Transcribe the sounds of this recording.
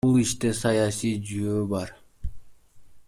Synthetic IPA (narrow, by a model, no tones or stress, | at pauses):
ulˠiʃt̪e̞sɑjɑsijd͡ʒyjøːbɑɾ